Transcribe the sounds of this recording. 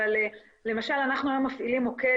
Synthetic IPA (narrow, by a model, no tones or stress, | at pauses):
ale | le̞maʃalanaχnulomafʔilimoke